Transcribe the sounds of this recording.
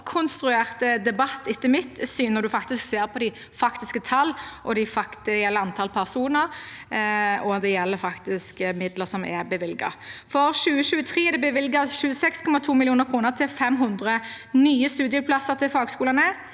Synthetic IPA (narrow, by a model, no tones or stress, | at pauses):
kʰʊnst̪ɾʉeːʁt̪əd̪ɛbɑt̪ːɪt̪ːəmɪt̪ːsyːnəʁd̪ʉfɑkt̪ɪskseːɾpʰɔd̪ɪ | fɑkt̪ɪskət̪ʰɑlːʔɔd̪ɪfɑkd̪ɛjɛlːəɑnt̪ʰɑlpʰæʁsuːnəɾ | ɔd̪ɛjɛlːəɾfɑkt̪ɪskəmɪd̪ləʁsɔmɛbəʋɪlɡɑ̰fɔɾɕʉːəʃʉːət̪ʰɾiːɛd̪ɛbəʋɪlɡɑʃʉːəsɛkskʰɔmɑt̪ʰuːmɪlɪuːnəɾkʰɾuːnəʁt̪ʰɪlfɛmɦʊnd̪ʁə | nyːəst̪ʉːd̪ɪəpʰlɑsəɾt̪ʰɪlfɑːɡskuːlɑnə